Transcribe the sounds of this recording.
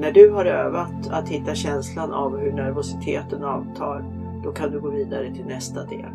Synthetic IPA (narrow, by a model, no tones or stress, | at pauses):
næɖɵɦaɾø̰ːvat̪at̪hɪt̪ːaɕɛnslanʔavɦɵɳæɾvʊsɪt̪ʰeːt̪ənɑːvt̪ʰɑːɾ | d̪̥ɔkʰand̪ɵɡoːviːd̪aɾət̪ʰɪlnɛst̪ad̪ḛːl